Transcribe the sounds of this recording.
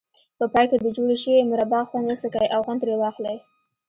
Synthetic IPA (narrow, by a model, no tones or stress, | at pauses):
pəpɑjked̪əd͡ʒoɽeʃəwemʊɾabɑxwand̪esəkajʔawɣant̪ɾewɑxlej